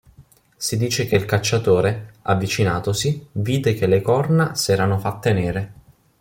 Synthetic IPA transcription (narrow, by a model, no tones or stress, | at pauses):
sid̪iːt͡ʃek̟eilkat͡ʃːat̪oːɾeavːit͡ʃinaːt̪osiviːd̪ekelekɔrnasɛːɾanofat̪ːeneːɾe